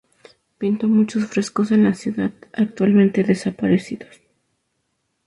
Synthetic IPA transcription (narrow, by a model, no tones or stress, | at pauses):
pint̪o̞mut͡ʃo̞sfɾe̞sko̞se̞nlasjuðaðak̚t̪walmẽnt̪e̞ðe̞sapaɾesiðo̞s